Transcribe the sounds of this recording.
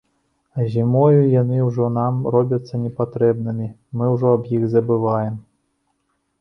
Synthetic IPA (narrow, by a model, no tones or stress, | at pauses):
ɐzʲimɔjujanɨwʐɔnamrɔbʲɐt̪sːɐnʲɛpat̪ɾɛbnɨmʲi | mɨwʐɔɐbjiɣzɐbɨvajɛm